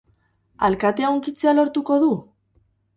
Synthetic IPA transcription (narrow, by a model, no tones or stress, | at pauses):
a̰lkat̪e̞awŋkit͡se̞alo̞ɾt̪uko̞ðu